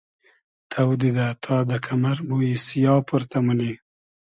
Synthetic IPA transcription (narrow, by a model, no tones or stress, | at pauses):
t̪ʰawd̪id̪at̪ʰɑːd̪əkʰamaɾmuisijɑːpuɾt̪amuli